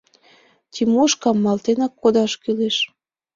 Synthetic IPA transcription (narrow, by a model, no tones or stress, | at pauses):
t̪ʲimoʃkɑmːɑlt̪enɑkʰːod̪ɑʃkyleʃ